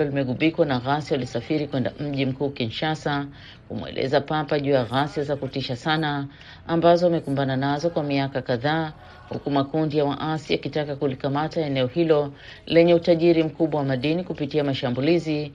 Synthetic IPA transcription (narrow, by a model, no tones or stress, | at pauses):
ɔlimɛɠuɓikwanaɣasjawalisafiɾikwɛnda̰m̩ʄim̩kuːkinʃasa | kṵmwɛ̰lʔɛ̰zapapaʄuːjaɣasjazakutiʃasana | ambazɔamɛkumbananazɔkwamiakakaðaː | hṵkumakundijawa̰ʔasiakitakakulikamataɛnɛɔhilɔ | lɛɲɛutaʄiɾim̩kuɓwawamaɗinikupitiamaʃambulizi